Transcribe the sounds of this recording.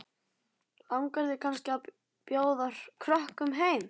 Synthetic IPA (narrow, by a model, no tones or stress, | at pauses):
lawŋkaɾðɪkʰanscɪa | pjoːwðaɾ̥kʰɾɔhkʏmɦeːjm